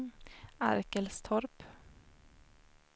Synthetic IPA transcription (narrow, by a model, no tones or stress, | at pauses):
æ̰ɾkəlst̪ʰɔɾp